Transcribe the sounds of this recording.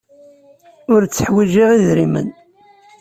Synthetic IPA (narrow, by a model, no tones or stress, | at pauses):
ʊɾt͡sːəħwiʒiʁiðɾimə̰n